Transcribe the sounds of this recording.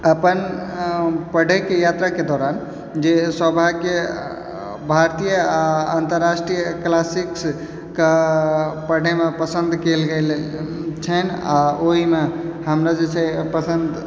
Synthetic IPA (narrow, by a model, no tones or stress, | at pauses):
əpən | pəɽ̤ekejat̪ɾaked̪ɔɾan | d͡ʒeswəbʱake | bʱaɾt̪ijəaant̪əɾːasʈɾijəklasiks | kə | pəɽ̤emepəsənd̪ʱkelɡelt͡ʃʰənaoɦimehəmɾad͡ʒet͡ʃʰɛpəsənd̪